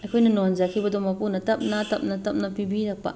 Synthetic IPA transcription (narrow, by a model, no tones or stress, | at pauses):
akʰujnanond͡ʒakʰibad̪omapunat̪ap̚nat̪ap̚nat̪ap̚napibidak̚pa̰